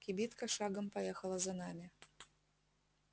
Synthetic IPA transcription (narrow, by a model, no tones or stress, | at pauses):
kʲɪbʲit̪kɐʂaɡɐmpajɛxɐlˠɐzɐnamʲɪ